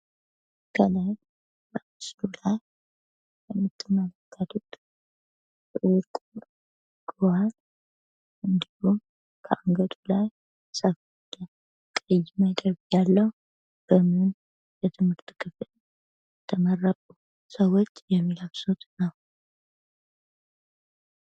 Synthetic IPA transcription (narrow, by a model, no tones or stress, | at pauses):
kʰələm | bəmɨsd̪ulaj | jɛmːɨt̪ʰːɨmːələkʰːat̪ʰut̪ | wuɾkʼu | ɡ̥ɨwaɾ | ʔɨnd̪ihu | kʰəaŋɡəd̪ulaj | sʼəf | d̪̥ə | kʼəjːməd̪əβjalːəh | b̥əmɨn | jɛt̪ʰɨmhɨɾt̪kʰɨfl | t̪ʰəmərːətʼu | səwot͡ʃːjɛmːilaβsot̪nəw